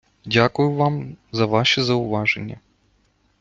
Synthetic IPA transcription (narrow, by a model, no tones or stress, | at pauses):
dʲakʊjʊvamzɐʋaʃɛzɐʊʋaʐɛ̰nʲːɐ̰